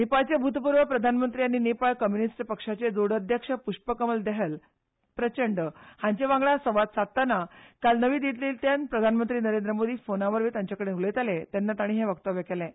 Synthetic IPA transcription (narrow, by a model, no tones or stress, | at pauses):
nepaɭt͡ɕebʱut̪puɾʋəpɾəd̪ʱanmənt̪ɾianinepaɭkəmjunisʈpəkʂat͡ɕed͡zoɽəd̪ʱjəkʂəpuʂpəkəməld̪eɦəl | pɾət͡ɕəɳɖhãɲt͡ɕeʋãŋɡɭasəʋat̪sat̪ːanakalnəʋiːd̪it̪̬liːlt̪janpɾəd̪ʱanmənt̪ɾiːnəɾend̪ɾəmod̪ʱiːfonãʋəɾʋiːt̪ãɲt͡ɕjakəɽenulet̪alet̪enːat̪aɽ̃iːɦeʋəkt̪aʋjəkelẽ